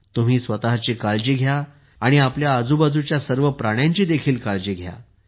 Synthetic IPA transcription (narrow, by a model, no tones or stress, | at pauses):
t̪um̤iːsʋət̪aɦt͡ɕiːkald͡ʑiːɡʱja | aɽ̃iapljaːd͡zubad͡zut͡ɕjasəɾʋəpɾaɽ̃jãɲt͡ɕiːd̪ekʰiːlkald͡ʑiːɡʱja̰